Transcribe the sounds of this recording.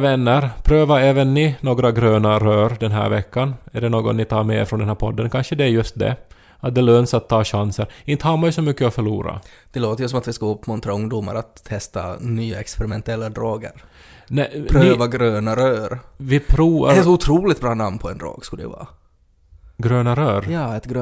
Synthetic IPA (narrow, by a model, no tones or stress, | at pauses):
vɛnːəɾpʰɾøːvaɛːvənːɪnoːɡɾaɡɾøːnaɾøːɾd̪ɛnɦæ̰ːɾvɛkʰːanæɖɛnoːɡɔ̰nnɪt̪ʰɑːɾmɛɾfɾɔnd̪ɛnæːɾpʰɔd̪ːənkʰanʂəd̪ɛæɾjɵst̪̚d̪ɛ̰ | at̪̚d̪ɛløːnsat̪ʰːɑːɕansəɾɪnt̪əhaːmajsɔmʏkːəɔfœɭuːɾa̰ | d̪̥ɛloːt̪əɾjɵs̬ɔmat̪vɪskaɵpːmɔnt̪ɾaɵŋd̪uma̰ɾat̪ʰːɛst̪a̰nyːaɛkspɛɾɪmɛnt̪ɛlːad̪ɾɑːɡə̰ɾ | nɛpʰɾøɪːvaɡɾøːnaɾøːɾvɪpʰɾuːva̰ɾsɔʊt̪ʰɾuːlɪt̪bɾɑːnamnpʰɔɛnd̪ɾɑ̰ːɡskɵlə̰ja̰vɑ̰ː | ɡɾøːnaɾøːɾjɑːɛt̪ɡɾø